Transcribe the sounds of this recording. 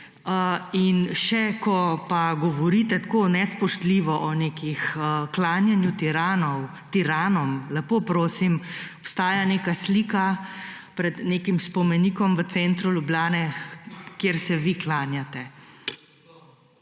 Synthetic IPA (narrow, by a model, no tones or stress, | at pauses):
əinʃɛkɔpaɡɔʋɔɾiːt̪ɛt̪koːnɛspɔʃt̪liːʋɔʔɔneːkixəklaːnjanjut̪iɾaːnɔw | t̪iɾaːnɔmlɛpopɾoːsimɔpst̪aːjaneːkasliːka | pɾɛd̪neːkimspɔmɛniːkɔmʋət̪sɛːnt̪ɾulʲjubljaːnɛkjeɾsɛʋiklaːnjat̪ɛ